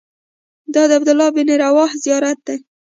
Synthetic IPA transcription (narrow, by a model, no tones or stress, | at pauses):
d̪ɑd̪əabd̪ʊlːɑbɪneɾawɑhzijɑɾat̪̚d̪e